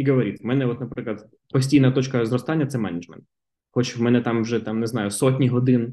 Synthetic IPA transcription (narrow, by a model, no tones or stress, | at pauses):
iɡɔʋɔɾʲit̪mɛnɛɔt̪nɐpɾɪklˠɐd̪ | pɔsʲtʲijnɐt̪ɔt͡ʃkɐzɾɔst̪ɑnʲːɐt̪sɛmɛnɪd͡ʒmɛ̰nt̪ | xɔt͡ʃwmɛnɛt̪ɑmwʒɛt̪ɑmneznɑjʊsɔtʲnʲiɦɔd̪ɪn